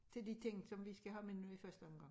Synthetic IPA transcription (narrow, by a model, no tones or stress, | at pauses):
t͡sʰe̝ld̥it͡sʰeŋ̰sɒ̽mʋisɡ̥æɦɑmennuifɶɐsd̥əɔ̽mɡ̥ɑ̈ŋ